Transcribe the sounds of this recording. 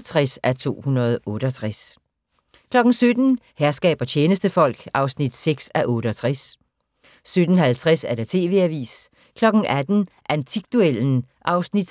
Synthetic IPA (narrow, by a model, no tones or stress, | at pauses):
t͡sʰʁasæt͡sʰo̝̰ːhunɐð̞ˠʔɔ̽ːɾ̥əɒt͡sʰʁas | kʰlɒ̽ɡ̥n̩sød̥n̩hæɐsɡ̥ɛ̰ːb̥ɐt͡ɕʰeːnəsd̥əfɒ̽l̰ɡ̥ʔɑ̈ʊsnid̥seɡ̥sæʔɔ̽ːɾ̥əɒt͡sʰʁɛs | sød̥n̩hælt͡sʰʁasæɐɾ̥et͡sʰe̝̰ːʋe̝̰ːæʋḭːs | kʰlɒ̽ɡ̥n̩ʔæd̥n̩ʔænt͡sʰiɡ̥d̥uel̰n̩ʔɑ̈ʊsnid̥